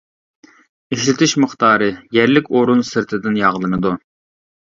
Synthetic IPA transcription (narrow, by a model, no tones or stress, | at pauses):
iʃlɪt̪ʰɪʃməχt̪ɑːɾɨjɛɾlɪkʲoɾunsɨɾt̪ʰɪd̪ɪnjɑʁlˠɨnɨd̪u